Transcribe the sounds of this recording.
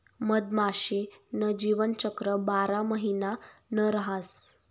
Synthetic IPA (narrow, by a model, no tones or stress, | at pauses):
məd̪maɕenəd͡ʑiʋənt͡ɕəkɾəbaɾaməɦinanəɾɦas